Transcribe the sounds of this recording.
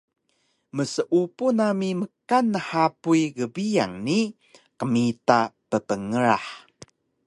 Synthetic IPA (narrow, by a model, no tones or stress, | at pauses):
məsəʔupunamiməkanːəħapuiɡəbija̰ŋni | qəmitapəpəŋəɾa̰ħ